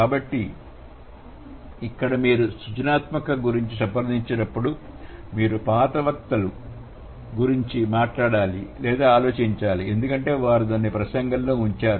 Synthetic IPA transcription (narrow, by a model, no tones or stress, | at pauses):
kaːbɐʈːi | ikːɐɽɐmiːɾusut͡ʃɐnaːt̪mɐkɐɡuɾiɲt͡ʃisɐmpɐɾd̪iɲt͡ʃɐnɐpːuɽu | miːɾupaːt̪ɐʋɐk̚t̪ɐlu | ɡuɾiɲt͡ʃimaːʈlaːɽaːlilɛːd̪aːaːlo̞ːt͡ʃiɲt͡ʃaːlie̞nd̪ukɐɳʈe̞ːʋaːɾud̪ɐnːipɾɐsɐŋɡɐlloːuɲt͡ʃaːɾu